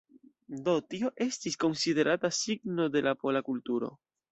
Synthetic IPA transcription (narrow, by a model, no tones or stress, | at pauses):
d̪o̞t̪io̞ʔe̞st̪isko̞nsiðe̞ɾat̪asiɡno̞d̪e̞lapo̞lakult̪uɾo̰